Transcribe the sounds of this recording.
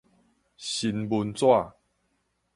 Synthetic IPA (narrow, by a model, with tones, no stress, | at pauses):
ɕi˧nbu˧nt͡swa˥˨